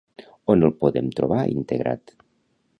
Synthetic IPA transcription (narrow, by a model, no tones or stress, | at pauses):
onelˠpoðemt̪ɾoβaḭnt̪eɣɾʔa̰t̪